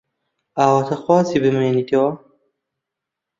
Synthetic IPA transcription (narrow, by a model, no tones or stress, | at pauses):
aːwɐt̪ʰɐxwaːzibɨmeːnit̪ʰeːwɐ